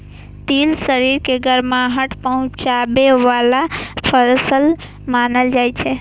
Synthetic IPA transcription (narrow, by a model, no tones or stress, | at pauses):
t̪ilsəɾiɾkeɡʱəɾmãɦəʈʰpəɦʊ̃t͡ʃabeʋalapʰəlsəl | maːnəld͡ʒaːjt͡ʃʰe